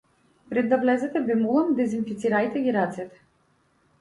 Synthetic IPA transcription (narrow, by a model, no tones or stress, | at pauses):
pɾɛd̪ːavlɛzɛt̪ɛbɛmulˠand̪ɛzinfit̪siɾajt̪ɛɡʲiɾat̪sɛt̪ɛ̥